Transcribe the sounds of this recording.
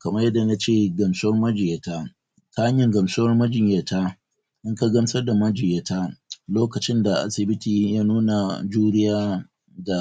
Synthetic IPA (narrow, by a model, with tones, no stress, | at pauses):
kɐ˨mɐ˦rjɐ˦dːa˨na˦t͡ʃeː˦˨ɡɐ˨msʊ˦wɐ˦rmɐ˦d͡ʒɪ˨je˨ta˦ | ka˦ha˦ɲjɐ˨ŋɡɐ˨msʊ˦wɐ˦rmɐ˦d͡ʒɪ˨ɲja˨ta˦ | ʔɪ˦ŋka˦ɡɐ˦msɐ˦rda˨mɐ˦d͡ʒɪ˨je˦˨ta˦loː˦kɐ˨t͡ʃɪ˦nda˨ʔa̰˦sɪ˨bɪ˦tiː˨jaː˦nuː˦na˨d͡ʒuː˦ɽɪ˦jaː˦ | da˨